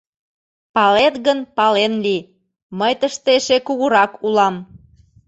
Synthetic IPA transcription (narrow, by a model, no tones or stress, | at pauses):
pɑlet̪ɣənpɑlenli | məjt̪əʃt̪eʃekuɣuɾɑkulɑm